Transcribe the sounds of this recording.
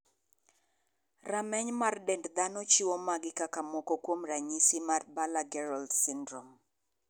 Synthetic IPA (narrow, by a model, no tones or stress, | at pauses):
ramɛɲmardɛndd̪anɔt͡ʃiwomaɡɪkakamokokwomraɲisɪmarbalaɡɛɾɔldsɪndɾɔm